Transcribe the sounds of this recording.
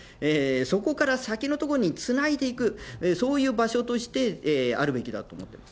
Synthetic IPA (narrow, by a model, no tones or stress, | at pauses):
eso̞ko̞kaɾasakʲino̞t̪okooɲ̟it͡sɨnaid̪e̞ikɯ̟so̞ːjɯ̟ːbaɕo̞t̪o̞ɕi̥t̪e̞a̰ɾɯ̟be̞kʲid̪a̰t̪o̞ːmo̞t̪ːe̞mas